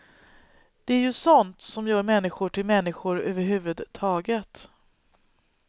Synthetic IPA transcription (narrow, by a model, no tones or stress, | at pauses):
d̪̥ɛæɾjɵsɔnt̪sɔmjœːɾmɛnːɪɧʊʈʰɪlmɛnːɪɧʊɾøːvəɾɦʉ̟ːvɵd̪t̪ʰɑːɡət̪